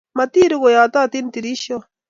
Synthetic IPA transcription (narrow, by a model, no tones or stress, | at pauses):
mɐt̪iːɾuɣojaːt̪aːt̪int̪iɾiɕo